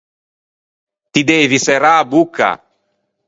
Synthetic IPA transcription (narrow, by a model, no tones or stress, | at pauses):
t̪id̪eːvisɛɾabukːa̰